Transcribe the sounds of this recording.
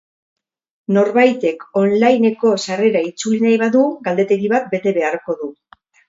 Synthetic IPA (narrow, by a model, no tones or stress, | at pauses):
no̞ɾβajt̪e̞ko̞nlajne̞ko̞sare̞ɾait͡sulinajβaðuɡald̪e̞t̪e̞ɣiβat̪̚be̞t̪e̞βe̞aɾko̞ðu